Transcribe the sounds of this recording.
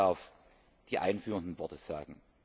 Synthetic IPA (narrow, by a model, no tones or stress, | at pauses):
af | d̥iːʔa̰ɪnfyːʁəndn̩vɔɐtəz̥a̰ːɡŋ̩